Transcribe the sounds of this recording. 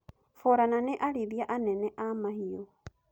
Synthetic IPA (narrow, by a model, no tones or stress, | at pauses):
foɾananɛʔaɾiðjaʔanɛnɛʔamahio